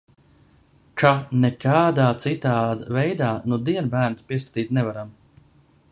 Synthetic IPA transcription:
kanɛkaːd̪aːt̪sit̪aːd̪avɛjd̪aːnud̪iɛnbæːɾnspʲiɛskḁt̪iːt̪nɛvaɾam

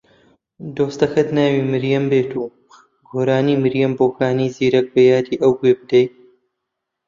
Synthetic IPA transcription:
d̪oːst̪ɐxɐt̪naːwiːmɨɾjɐmbeːt̪ʰuː | ɡoːɾaːniːmɨɾjɐmboːxaːniːziːɾɐk̚bɐjaːɾiːʔɐwɡeːbɨd̪ɐj

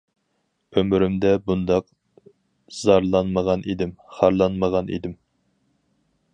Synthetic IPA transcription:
ømyɾymd̪ɛbund̪ɑq | z̥ɑɾlˠɑnməʁɑnʔid̪ɪmχɑɾlˠɑnməʁɑnʔḭd̪ɪm

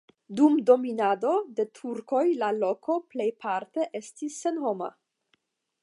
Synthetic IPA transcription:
dumdo̞minado̞de̞tʰuɾko̞jlalo̞kʰo̞ple̞jpʰaɾte̞ʔe̞stisːe̞nɦo̞ma̰

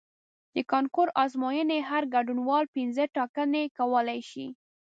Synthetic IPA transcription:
d̪̥əkɑnkoɾɑzmɑjəneɦaɾɡaɖunwɑlpinzəʈɑkənekawəlajʃi

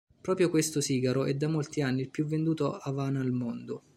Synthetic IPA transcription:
pɾɔːpɾjokwest̪ʊsiːɡaɾoʔɛd̪ːamolt̪ianːiːlpjuvːend̪uːt̪oavaːnaːlmond̪ʊ

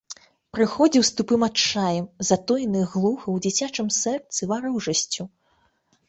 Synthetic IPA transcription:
pɾɨxɔd͡zʲiwst̪upɨmat͡ʂajɛmzat̪ɔjnɨɣlˠuxɨwd͡zʲit͡sʲat͡ʂɨmsɛrt̪sɨvaɾɨwʐɐsʲt͡sʲu

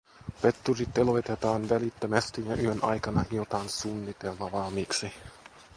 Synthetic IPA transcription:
pet̪ːurit̪ːelo̞jt̪et̪ɑːnʋælit̪ːømæst̪ijɑʔyønʔɑ̰jkɑnɑhiot̪ɑːnsunːit̪elːɑʋɑːmiːksi

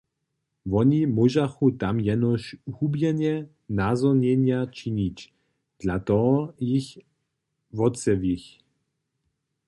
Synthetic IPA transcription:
ʋɔnimuʒaxut̪amjɛnɔʃhubjɛɲjɛ | nazɔɲɛɲjat͡ʃinit͡ʃ | d̪̥lat̪ɔɔjix | vɔt͡sɛvix

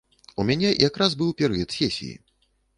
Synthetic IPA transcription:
umʲanʲɛjʔakɾazbɨwpʲɛɾɨjɐt̪sʲɛsʲḭjḭ

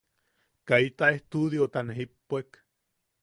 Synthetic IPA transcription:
kait̪aeht̪uðjot̪aneɦipːek

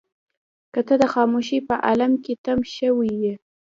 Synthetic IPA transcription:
kət̪əd̪əxɑmuʃipəʔalamket̪amʃəwije

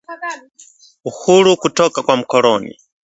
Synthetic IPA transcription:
uhuɾukutɔkakwam̩kɔlɔnḭ

